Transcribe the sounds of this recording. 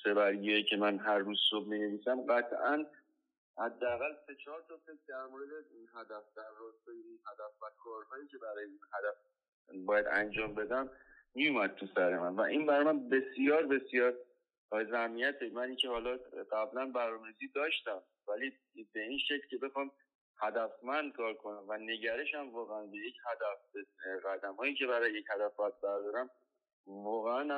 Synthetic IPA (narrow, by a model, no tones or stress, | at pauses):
se̞bæɾɡijicʰe̞mænɦæɾːuz̥sob̚mineviːsæmɢæt̪ʰʔæn | hæd̪ːeæɣælse̞t͡ʃʰɒːɾt̪ʰɒːsetd̪æɾmoɾed̪einɦæd̪æfd̪̥æɾːɒst̪ɒjeinhæd̪æfvækʰɒːɾhɒiːcʰe̞bæɾɒːjeinhæd̪æf | bɒːjæd̪æ̰nd͡ʒɒːmbe̞d̪æm | mijumæd̪̚t̪ʰusæɾe̞mænvæʔinbæɾɒmænbe̞sjɒːɾbe̞sijɒːɾ | zæhmijæt̪ʰemæniːcʰehɒːlɒɢæblænbæɾnɒːmeɾiziːd̪ɒːʃt̪æm | væli | be̞inʃeclcʰe̞be̞xɒm | hæd̪æfmænd̪̚kʰɒːɾkʰo̞næmvæne̞ɟæɾe̞ʃæmvɒːɣeænbejecʰhæd̪æfbeɣæd̪æmhɒːjiːcʰe̞bæɾɒːjeje̞chæd̪æfbæjæd̪̚bæɾd̪ɒːɾæm | vɒːɣeænæ